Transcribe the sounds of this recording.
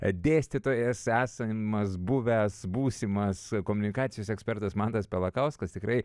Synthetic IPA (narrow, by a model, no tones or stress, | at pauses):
d̪ʲeːsʲt̪ʲɪt̪oːjɛsæːsɐmɐsbʊʋʲæsbuːsʲɪmɐskoːmʊnʲɪkɑːt̪sʲɪjoːsɛksʲpʲɛrt̪ɐsmɑnt̪ɐspʲɛlˠɐkɐʊskɐst̪ʲɪkɾɐɪ